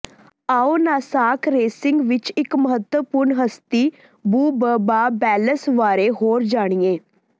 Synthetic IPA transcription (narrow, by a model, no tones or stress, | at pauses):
aːoːnaːsaːkɾeːsɪŋɡʋɪt͡ʃɪkməɦət̪əpʊɾɳɦəst̪iː | buːbəbaːbɛːləsʋaːɾeːɦoːɾd͡ʒaːɽ̃ijeː